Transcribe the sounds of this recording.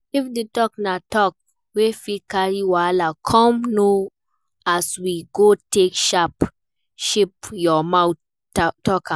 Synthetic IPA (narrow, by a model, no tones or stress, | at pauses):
ifdetɔk̚natɔk̚ | wefikaɹiwalakʰɔ̃mno | aswiɡotekʃap | ʃipjɔmawt | tɔkã